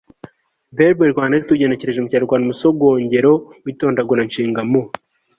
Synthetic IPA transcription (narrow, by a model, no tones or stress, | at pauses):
veɾbeɾɡwaːnezituɟe̞ne̞ce̞ɾe̞ʒemucaːɾuɾɡwaːnumusoɡwoːɲɟe̞ɾo̞wito̞ːndaɡonaɲʃiːŋɡamo